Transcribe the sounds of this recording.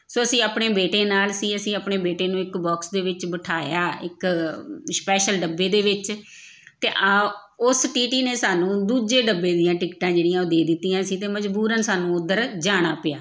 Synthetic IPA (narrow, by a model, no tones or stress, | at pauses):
soːəsĩːaːpɳeːbeːʈeːnaːlsĩːəsĩːəpneːbeːʈeːnũːɪkbɔːksd̪eːʋɪt͡ʃbəʈʰaːjaːɪk | spɛːʃəlɖəbːeːd̪eːʋɪt͡ʃ | t̪ḛːʔa | ʊsʈiːʈiːneːsaːnũːd̪uːd͡ʒeːɖəbːeːd̪ɪjãːʈɪkʈãːd͡ʒeːɽijãːod̪eːd̪ɪt̪ːiːãːsĩːt̪eːməd͡ʒbuːɾənsaːnũːʊd̪ːəɾd͡ʒaːɽ̃aːpɪjaː